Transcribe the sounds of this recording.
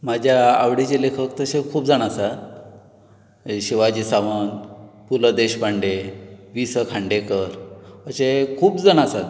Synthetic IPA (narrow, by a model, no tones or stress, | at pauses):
mad͡ʑʱjaːʋɽit͡ɕelekʰəkt̪əsekʰuːp̚d͡zaɽ̃asat̪ | ɕiʋad͡ʑisaʋənpuləd̪eɕpaɳɖeʋisəkʰaɳɖekəɾəɕekʰuːpd͡zaɽ̃asat̪